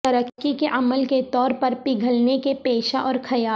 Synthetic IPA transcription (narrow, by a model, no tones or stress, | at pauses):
tɐɾəkːikeʔɐməlket̪ɔːɾpɐɾpɪɡʱəlnekepeːʃaʔɔːɾkʰɐjaː